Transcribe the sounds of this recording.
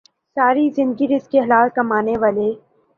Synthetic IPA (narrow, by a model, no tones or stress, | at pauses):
saːɾizɪ̃nd̪ɡiɾɪskeɦɐlaːt̪̚kɐmaːneʋaːle